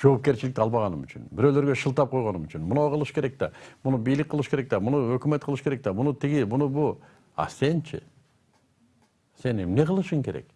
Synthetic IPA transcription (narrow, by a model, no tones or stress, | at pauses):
d͡ʒo̞ːp̚ke̞ɾt͡ʃilɪk̚t̪ɑlˠβɑʁɑnɯmyt͡ʃy̰nbiɾølø̞ɾɡøʃɯlˠt̪ɑp̚qʰo̞jʁo̞numyt͡ʃynmunɑqʰɯlˠɯʃkʰe̞ɾe̞k̚t̪ɑ̰munubijlik̚qːəlˠɯʃke̞ɾe̞k̚t̪æmunuøkymet̪qʰəlˠɯʃɯ̥ke̞ɾek̚t̪ɑmunut̪ʰiɡimunubu | ɑ̰se̞nt͡ʃʰɪ̰ | se̞ne̞mne̞ʁəlˠɯʃɯŋke̞ɾḛk